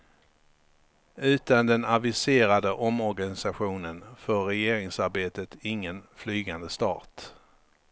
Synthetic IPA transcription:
ʉ̟ːt̪and̪ɛnavɪseːɾad̪əʔɔmɔɾɡanɪsaɧuːnənfœːɛjeːɾɪŋsaɾbeːt̪ət̪ɪŋːənflyːɡand̪əst̪ɑ̰ːt̪

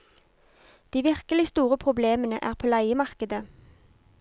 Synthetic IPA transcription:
d̪̥iːʋɪʁkəlɪst̪uːʁəpʰʁʊbleːmənə̰ʔæ̰ːʁpʰoːlæɪəmɑʁkəd̪ə

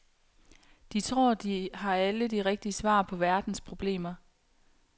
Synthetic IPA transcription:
d̥it͡sʰʁo̝ɐ̰d̥ihɑ̈æləd̥iʁɛɡ̥̚d̥iəsʋɑ̰̈ːpʰɒ̽ʋæɐd̥n̩spʰʁo̝b̥le̝̰ːmɐ

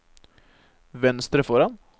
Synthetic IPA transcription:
ʋɛnst̪ɾəfɔɾan | h

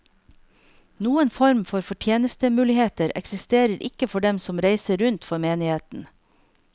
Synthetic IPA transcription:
nuːənfɔɾmfɔɾfɔʈʰjeːnəst̪əmʉːlɪheːt̪əɾɛ̰ksɪst̪eːɾəɾʔɪ̰kəfɔɖɛmsɔmɾæɪsəɾʉnt̪fɔɾmeːnɪheːt̪n̩

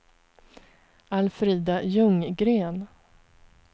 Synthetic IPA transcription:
alfɾiːd̪ajɵŋɡɾeːn

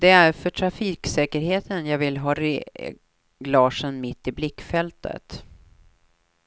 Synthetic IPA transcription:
d̪ɛæɾfœʈʰɾafiːksɛːkəɾheːt̪ʰənjɑːɡvɪlɦɑːɾe | ɡlɑːʂənmɪt̪ːɪblɪkːfɛlt̪ʰə̰t̪

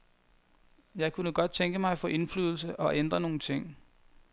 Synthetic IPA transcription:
jɑ̈ɪkʰunəɡ̥ɒ̽d̥̚t͡sʰeŋɡ̥əmɑ̈ɪfɒ̽ʔe̝nfly̰ːð̞ˠl̩səʔɒ̽ʔend̥ʁɐno̝ːn̩t͡sʰe̝ŋ̰

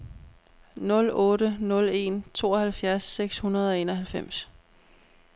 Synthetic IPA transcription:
nɔ̽lɔ̽ːɾənɔ̽le̝ːnt͡sʰo̝̰ːɒhælfjæɐsːeɡ̥shunɐð̞ˠɒ̽e̝ːnɒɦælfem̰s

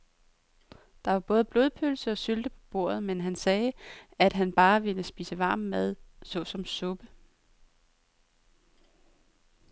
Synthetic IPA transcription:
d̥ɑ̈ʋɑ̈b̥ɔ̽ːð̞̩ˠəb̥lo̝ːð̞ˠpʰølsəɒ̽syld̥əpʰɒ̽b̥o̝ɐ̰ð̩ˠmenɦænsɛːæd̥ɦænb̥ɑ̈ːʋe̝ləsb̥iːsəʋɑ̈ːmːæð̞ˠsɒ̽sɒ̽msɔ̽b̥ə

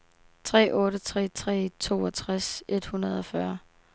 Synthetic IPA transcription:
t͡sʰʁɛ̰ːʔɔ̽ːɾət͡sʰʁɛ̰ːt͡sʰʁɛ̰ːt͡sʰo̝̰ːɒt͡sʰʁase̝d̥hunɐð̞ˠɒ̽fɶɐ

